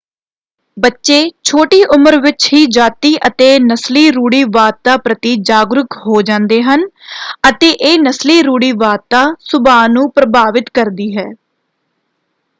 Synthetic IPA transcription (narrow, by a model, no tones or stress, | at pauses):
bətːʃeːt͡ʃʰoːʈiːʔʊməɾʋɪt͡ʃɦiːd͡ʒaːt̪iːʔət̪eːnəsliːɾuːɽiːʋaːd̪̚t̪aːpɾət̪iːd͡ʒaːɡɾʊkɦoːd͡ʒãːnd̪eːɦən | ət̪eːʔeːnəsliːɾuːɽiːʋaːt̪aːsʊbaːnũːpɾəbaːʋɪt̪kəɾd̪iːɦɛː